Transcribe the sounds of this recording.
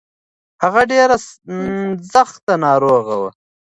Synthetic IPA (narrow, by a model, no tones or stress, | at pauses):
haɣaɖeːɾa | zaxt̪anɑːɾoːɣawə